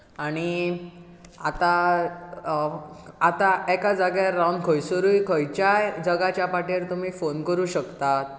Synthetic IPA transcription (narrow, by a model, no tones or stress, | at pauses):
aɽ̃i | at̪a | at̪aɛkad͡zaɡjaːawɳkʰəjsəɾujkʰəjt͡ɕajd͡zəɡat͡ɕjapaʈeɾt̪um̤iːfonkəɾuːɕəkt̪at̪̚